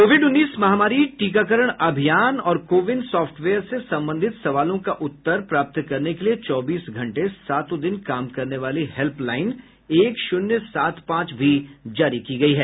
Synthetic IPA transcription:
koːʋɪɖʊnːiːsmɐɦaːmaːɾiʈiːkak̬əɾəɽ̃ɐbʱijaːnɔːɾkoːʋɪɳɖsɔːfʈʰʋeːəɾsesɐ̃mbə̃nd̪ʱɪt̪sɐʋaːlõkaʔʊt̪ːəɾpɾaːp̚t̪kɐɾnekeliet͡ʃɔːbiːsɡʱɐ̃ɳʈesaːt̪õd̪ɪnkaːmkɐɾneʋaːlihɛlplaːɪn | eːkʃʊnjəsaːt̪pãːt͡ʃbʱid͡ʒaːɾikiɡɐiɦɛː

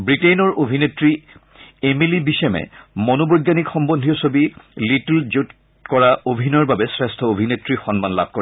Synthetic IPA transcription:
bɹiʈenɔɹʔobʱinetɹi | emilibisɛmɛ̰monobojɡjanikxɔmbond̪ʱiɔsobilitld͡ʑut | kɔɹaʔobʱinɔɹbabɛsɹestʰɔobʱinetɹixɔnmanla̰b̚ʱkoɹɛ

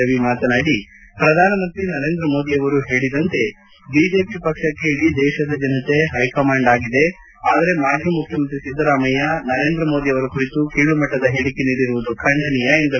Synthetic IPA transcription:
ɐʋimaːt̪ɐnaːɽi | pɾɐd̪ʱaːnɐmɐnt̪ɾinɐɾe̞ːnd̪ɾɐmo̞ːd̪ijɐʋɐɾuɦe̞ːɭid̪ɐnt̪e̞ | biːd͡ʒe̞ːpipɐkʂɐkːe̞iɽid̪ɛːʃɐd̪ɐd͡ʒɐnɐt̪e̞ɦɐjkɐmaːɳɖaːɡid̪e̞ | aːd̪ɐɾe̞maːd̪ʱjɐmukʰjɐmɐnt̪ɾisid̪ːɐɾaːmɐjɐnɐɾeːnd̪ɾɐmo̞ːd̪ijɐʋɐɾɐkuɾit̪ukiːɭumɐʈːɐd̪ɐɦeːɽikeniːɽiɾuʋud̪ukʰɐɳɖɐnijɐend̪ɐ

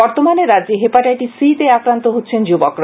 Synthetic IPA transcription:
ɔɾt̪omaneɾad͡ʑeɦepaʈajʈisit̪eakɾant̪oɦotːɕʰend͡ʑubokɾ

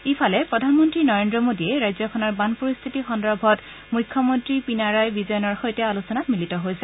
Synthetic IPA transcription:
ipʰalɛpɹɔdʱanmɔntɹinɔɹendɹɔmodiɛɹajzɔkʰɔnɔɹbanpoɹist̪ʰitixɔndɹɔbʱɔt | mujkʰːɔmɔntɹipinaɹajbizɔjɔnɔɹxojtɛalusɔnatmilitɔɦojsɛ

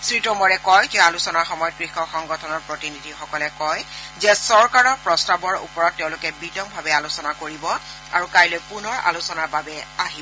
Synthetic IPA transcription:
sɹitɔmɔɹɛkɔjtalusɔnaxɔmɔjɔt̚kɹixɔxɔŋɡɔtʰɔnɔɹpɹotinidʱixɔkɔlɛkɔjzɛsɔɹkaɹɔɹpɹɔstabɔɹṵpɔɹɔtːɛʊ̃lʊkɛbitɔmbʱabɛalusɔnakoɹibɔ | a̰ɹukajlojpunɔɹa̰lusɔnaɹbabɛaɦibɔ

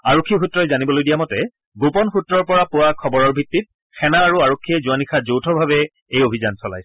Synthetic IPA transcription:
aɹokʰːixutɹɔjzanibɔlojdijamɔtɛ | ɡopɔnxutɹɔɹpɔɹapʊwakʰɔbɔɹɔɹbʱitːit̚ | xɛnaːɹuaɹokʰːiɛzʊanixazowtʰɔbʱabɛ | ejobʱizansɔla̰jsɛ̥

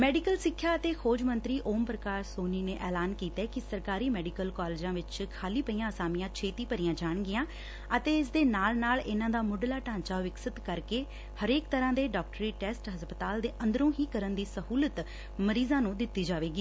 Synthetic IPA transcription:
mɛːɖɪkəlsɪkʰːjaːət̪eːkʰoːd͡ʒmənt̪ɾiːʔoːmpɾəkaːɾsoːniːneːʔɛːlaːnkiːt̪eːkɪsəɾkaːɾiːmɛːɖɪkəlkaːleːd͡ʒãːʋɪt͡ʃkʰaːliːpəiːãːəsaːmijãːt͡ʃʰeːt̪iːpəɾɪːãːd͡ʒaːɳ̃ɡɪjãː | ət̪eːɪs̬d̪eːnaːlnaːlɪnãːd̪aːmʊɖlaːʈãːɲt͡ʃaːʋɪksət̪kəɾkeː | həɾeːkt̪əɾãːd̪eːɖɔːk̚ʈɾiːʈɛːsʈɦəspət̪aːld̪eːʔə̃nd̪əɾõːɦiːkəɾənd̪iːsəɦuːlət̪ | məɾiːzãːnũːd̪ɪt̪ːiːd͡ʒaːʋeːɡiː

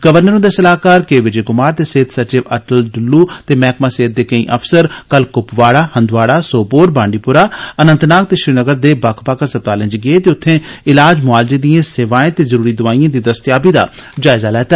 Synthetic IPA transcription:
ɡəʋəɾnəɾõːd̪eːsəlaːkaːɾkeːʋɪd͡ʒeːkʊmaːɾt̪eːseːt̪sət͡ʃɪʋəʈəlɖʊlːuːt̪eːmɛːkmaːseːt̪̚d̪eːkə̃ḭ̃ːʔəpʰsəɾkəlkʊpʋaːɽaːhə̃nd̪ʋaːɽaːsoːpoːɾbãːɳɖiːpʊɾaːənənt̪naːk̚t̪eːʃɾiːnəɡəɾd̪eːbaːkʰpaːkəsət̪aːlə̃ɲd͡ʒɡɪeːt̪eːʊt̪ʰːẽːɪlaːd͡ʒmʊaːld͡ʒẽːd̪ijãːseːʋaːẽːt̪eːzəɾuːɾiːd̪ʊaːijãːd̪iːd̪əst̪jaːbiːd̪a̰ːd͡ʒaːɪzaːlɛːt̪aː

